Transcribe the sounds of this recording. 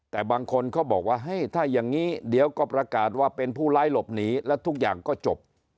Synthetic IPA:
t̪ɛː˨˩baː˧ŋkʰo˧nkʰa˦˥wbɔː˨˩k̚waː˥˩ɦa˥˩jt̪ʰaː˥˩ja˨˩ŋːiː˦˥di˨˩˦əwkɔː˥˩pɾa˧kaː˨˩t̪̚waː˥˩pe˧npʰuː˥˩laː˦˥˩jlo˨˩p̚niː˦˥lɛ˦˥wt̪ʰu˦˥k̚jaː˨˩ŋkɔː˥˩t͡ɕo˨˩p̚

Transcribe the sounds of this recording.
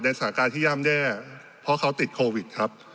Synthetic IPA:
na˧jsaː˩˦kaː˧nt̪ʰiː˥˩ja˧˥˩mdɛː˥˩ | pʰɾɔ˦˥kʰa˦˥wt̪i˨˩t̪̚kʰoː˧wi˨˩t̪̚kʰɾa˦˥p̚

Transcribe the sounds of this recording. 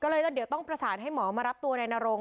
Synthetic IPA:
kɔː˥˩lɤː˧jt̪a˧˩di˩˦wt̪ɔ˥˩ŋpɾa˧saː˩˦nɦa˥˩jmɔː˩˦maː˧ɾa˦˥p̚t̪u˧ɐna˧jnaː˧ɾo˧ŋ

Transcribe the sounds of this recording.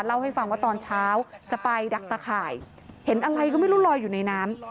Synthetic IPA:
t̪̚la˥˩wha˥˩jfa˧ŋwaː˥˩t̪ɔː˧nt͡ɕʰaː˦˥wt͡ɕa˨˩pa˧jda˨˩k̚t̪aː˧kʰaː˨˩j | he˩˦nʔa˧ɾa˧jkɔː˥˩ma˥˩jɾuː˦˥˩lɔː˧jːuː˨˩na˧jnaː˦˥m

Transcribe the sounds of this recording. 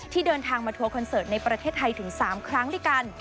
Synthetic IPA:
t̪ʰiː˥˩dɤː˧nt̪ʰaː˧ŋmaː˧t̪ʰu˧ɐkʰɔ˧nsɤː˨˩t̪̚na˧jpɾa˧t̪ʰeː˥˩t̪ʰːa˧jt̪ʰɯ˩˦ŋsaː˩˦mkʰɾa˦˥ŋdu˥˩jka˧n

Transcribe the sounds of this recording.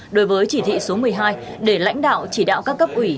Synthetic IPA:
ɗo˨˦jvəː˨˦jt͡ɕi˧˩t̪ʰḭ˧˨so˨˦mɨ˨˩əjɦaː˧jɗe˧˩la̰˧˥jŋ̟ɗa̰ː˧˨wt͡ɕi˧˩ɗa̰ː˧˨wkaː˦˥kːə˦˥p̚ʔwi˧˩

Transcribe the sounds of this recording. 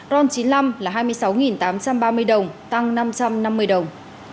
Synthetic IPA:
zɔ˧nt͡ɕi˨˦nla˧mlaː˨˩ɦaː˧jmɨ˧əjsa˨˦wŋi˨˩nt̪aː˨˦mt͡ɕa˧mɓaː˧mɨ˧əjɗə˨˩wŋ͡mt̪a˧ŋna˧mt͡ɕa˧mna˧mːɨ˧əjɗə˨˩wŋ͡m

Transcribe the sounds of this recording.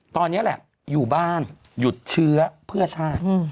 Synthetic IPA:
t̪ɔː˧nːi˦˥ɐlɛ̰˨˩ʔ | juː˨˩baː˥˩n | ju˨˩t̪̚t͡ɕʰɯ˦˥ɐpʰɯ˥˩ɐt͡ɕʰaː˥˩t̪

